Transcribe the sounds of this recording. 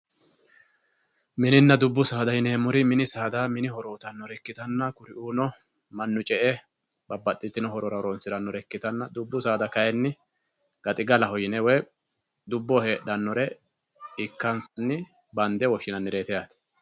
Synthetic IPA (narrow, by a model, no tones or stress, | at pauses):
mɪnɪnːɐd̪ʊbːʊsaːd̪ɐhɪneːmʊɾɪmɪnɪsaːd̪aːmɪnɪhɔɾoːt̪ɐnːɔɾɛkːɪt̪ɐnːɐkʊɾɪʔuːnɔ | mɐnːʊt͡ʃʼɛʔɛ | bɐbːɐt̪ʼːɪt̪ːɪnɔhɔɾɔɾɐɔɾonsɪɾɐnːɔɾɛkːɪt̪ɐnːɐd̪ʊbːʊsaːd̪ɐkɐjɛnːɪ | ɡ̥ɐt̪ʼɪɡɐlɐhɔjɪnɛwɛj | d̪ʊbːɔhe̞ːɗːɐnːɔɾɛ | ɪkːɐnsɐnːɪ | bɐnd̪ɛwɔʃɪnɐnːɪɾe̞ːt̪ɛjaːt̪ɛ̥